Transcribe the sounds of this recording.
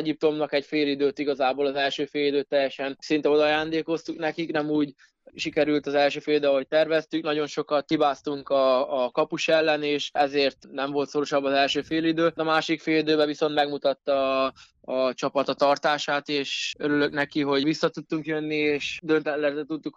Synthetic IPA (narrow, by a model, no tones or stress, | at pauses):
ɛɟip̚t̪o̞mnɒkɛɟfeːlid̪øːt̪iɡɒzaːboːlɒzɛlʃøːfeːlid̪øːt̪ːɛjːɛʃɛnsint̪ɛo̞d̪ɒjaːnd̪eːko̞st̪uknɛkiknɛmuːɟ | ʃikɛɾylt̪ɒzɛlʃøːfeːlid̪øɦo̞c̚t̪ɛrvɛst̪yknɒɟo̞nʃokɒt̪hibaːst̪uŋkɒːkɒpuʃɛlːɛneːʃɛzeːrt̪nɛɱvo̞lt̪so̞ɾo̞ʃɒbːɒzɛlʃøːfeːlid̪øːɒmaːʃikfeːlid̪øːbɛvisont̪mɛɡmut̪ɒt̪ːɒː | t͡ʃɒpɒt̪ɒt̪ɒrt̪aːʃaːt̪eːʃøɾylø̞knɛkiɦo̞ɟvisːɒt̪ut̪ːuŋkjønːieːʃd̪ønt̪ɛt̪lɛzɛt̪ut̪ːuk